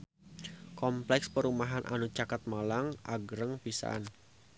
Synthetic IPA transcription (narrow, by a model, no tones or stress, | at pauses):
kɔmplɛkspəɾumaɦanʔa̰nut͡ʃakat̪̚malaŋʔa̰ɡɾəŋpisa̰n